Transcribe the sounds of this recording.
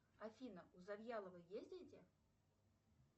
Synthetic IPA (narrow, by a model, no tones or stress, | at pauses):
afʲinɐuzabʲjalˠəvɨjezʲdʲedʲe